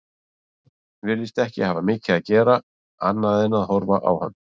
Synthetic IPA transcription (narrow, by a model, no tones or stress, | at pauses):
vɪlɪst̪ɛhcɪhaːvamɪːcɪaðcɛːɾa | a̰nːaðɪnaðhɔɾvaʔa̰wha̰nː